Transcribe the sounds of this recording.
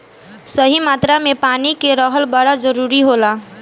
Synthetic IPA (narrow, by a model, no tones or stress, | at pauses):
səɦimat̪ɾamepanikeɾəɦəlbəɽad͡ʒəɾuɾiɦola